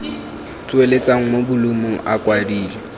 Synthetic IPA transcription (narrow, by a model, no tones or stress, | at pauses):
t͡sʼwelet͡sʼaŋ̩mobʊlumʊʔakʼwadiːlɛ